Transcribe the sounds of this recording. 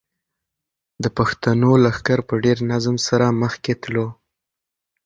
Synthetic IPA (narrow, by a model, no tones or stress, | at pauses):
d̪əpaxt̪anolaxkaɾpəɖeɾnazmsaɾaməxket̪lo